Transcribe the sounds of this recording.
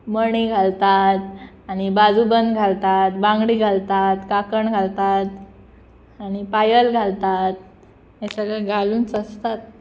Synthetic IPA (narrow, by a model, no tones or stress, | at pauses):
məɳ̃iɡʱalt̪at̪̚ | aɽ̃ibad͡zubənd̪ɡʱalt̪at̪bãŋɡɽiːɡʱalt̪at̪kakəɳɡʱalt̪at̪ | aɽ̃ipajəlɡʱalt̪at̪̚ | esəɡəɡʱaluːnt͡səst̪at̪̚